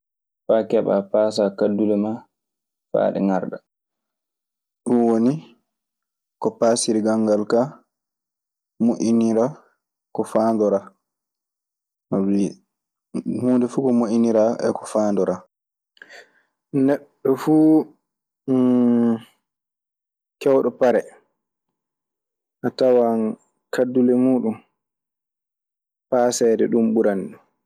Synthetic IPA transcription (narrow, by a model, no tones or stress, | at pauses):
faːkɛɓa̰paːsakadːulɛma | fa̰ːɗɛ̰ŋaɾɗa | ɗunwoni | kɔpaːsiɾiɡaŋɡalka | moʔiniɾa | kɔfaːndɔɾa | mabi | mundɛfuːkɔmoʔiniɾaʔɛ̰kɔ̥faːndɔɾa | nɛɗːɔfuː | kɛwɗɔpaɾɛ | ʔatawan | kʰadːulɛmuːɗum | paːsɛːdɛ̰ɗumɓuɾanɗu